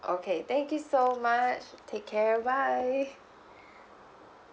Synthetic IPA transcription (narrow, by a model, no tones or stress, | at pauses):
ʔoʊkʰeɪθɛ̃ŋkjusoʊmʌt͡ʃtʰeɪkʰːɛɹəbaɪ